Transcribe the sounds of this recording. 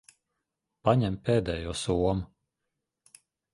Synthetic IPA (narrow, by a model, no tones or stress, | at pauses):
paɲɛmpeːd̪ɛːjuːsuɔmu